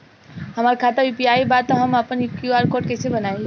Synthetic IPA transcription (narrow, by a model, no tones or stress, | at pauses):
hɐmaːɾikʰaːt̪ajupiaːibaːt̪ːoɦɐmɐpənjkjuaːɾkoːʈkesebɐnaːĩ